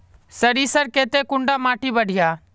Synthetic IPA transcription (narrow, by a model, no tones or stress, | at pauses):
səɾiːsəɾkeːt̪eːkʊɳɖaːmaːʈiːbəɽ̤ʱɪjaː